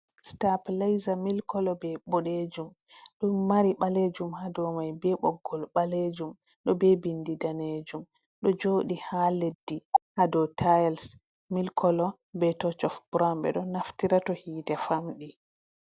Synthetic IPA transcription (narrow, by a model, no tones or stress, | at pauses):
staplajzamilkɔlɔbɛbɔɗed͡ʒumɗumːaɾiɓaled͡ʒumhadɔmajbɛɓɔɡːɔlɓaled͡ʒum | ɗɔbɛbindidaned͡ʒum | ɗɔd͡ʒoːɗihaledːihadɔtʰajɛls | milkʰɔlɔ | bɛtɔt͡ʃɔfb̥uɾambɛ̰ɗɔnaftiɾatɔhiːtɛfamɗi